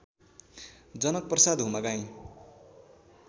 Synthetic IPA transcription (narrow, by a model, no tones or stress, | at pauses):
d͡zʌnʌk̚prʌsad̪ɦumaɡaj̃